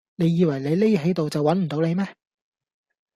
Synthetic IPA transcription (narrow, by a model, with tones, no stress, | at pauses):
ne˨˧jiː˧wɐ˨˩jle˨˧jle˥jɦe˨˥t̪o˨wt͡sɐ˨wɐ˨˥nm̩˨˩t̪o˨˥wle˨˧jmɛː˥